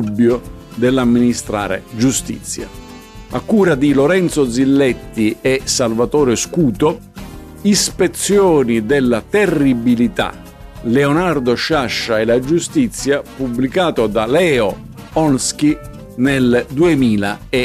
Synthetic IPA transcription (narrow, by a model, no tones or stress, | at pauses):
ubːjo | d̪ɛlːamːinist̪ɾa̰ːɾḛd͡ʒust̪ḭt̪sːja̰ | a̰kːuːɾad̪iloɾɛnt̪sod̪zilːɛt̪ːiɛsalvat̪ɔːɾeskuːt̪o | ispet̪sːjɔːnid̪ɪlːat̪ɛrːibilit̪a̰ | leɛonard̪oʃaʃːaɛlad͡ʒust̪it̪sːjapubːlikaːt̪od̪alɛːo | ɔnsk̟i | nɛld̪uemiːlaɛ